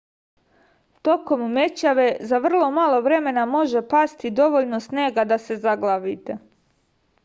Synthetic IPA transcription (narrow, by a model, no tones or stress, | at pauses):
t̪o̞ko̞mme̞t͡ɕaʋe̞zaʋr̩lˠo̞malˠo̞ʋɾe̞me̞namo̞ʒe̞past̪id̪o̞ʋoʎnosneːɡad̪ase̞zaɡlˠaʋit̪e̞